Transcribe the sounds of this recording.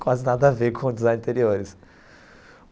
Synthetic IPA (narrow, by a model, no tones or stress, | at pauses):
kwazɪnad̪ɐvekʰõd͡ʒ̪ɪzãɐ̃t̪eɾioɾɪs